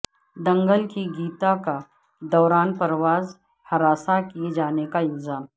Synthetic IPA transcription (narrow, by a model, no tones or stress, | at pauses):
d̪ɐ̃ŋɡəlkiɡiːt̪aka | d̪ɔːɾaːnpəɾwaːz | hɐɾaːsakied͡ʒaːnekaɪlzaːm